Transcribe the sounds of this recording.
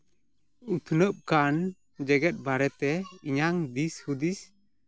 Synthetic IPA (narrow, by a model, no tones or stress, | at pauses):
ut̪ʰnəp̚kan | d͡ʒɛɡɛt̪̚baɾɛt̪ɛiɲaŋd̪ishud̪is